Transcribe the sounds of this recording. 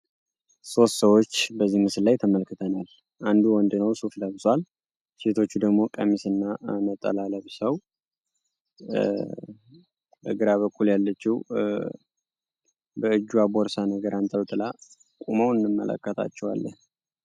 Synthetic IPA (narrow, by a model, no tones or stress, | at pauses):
so̞st̪səwot͡ʃːbəzːihmɨsɨllajt̪ʰəməlkːɨt̪ʰənal | ʔand̪uwɔnd̪ɨnəwsufləβswal | set̪ʰo̞t͡ʃːud̪əɡmo̞kʼəmisɨnːaʔanət̪ʼːə̰laləβsəw | bə̰ɡɨɾaβəkːuljalːət͡ʃːiw | bəɨd͡ʒːuaboɾsanəɡəɾʔant̪ʼəwt̪ʼɨla | kʼuməwɨnːɨmːəlʔə̰kːət̪ʰa̰t͡ʃːɛwa̰lːən